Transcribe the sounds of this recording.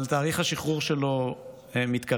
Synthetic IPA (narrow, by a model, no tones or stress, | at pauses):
lt̪aːʁiχhaʃiχʁuʁʃelo | emit̪ka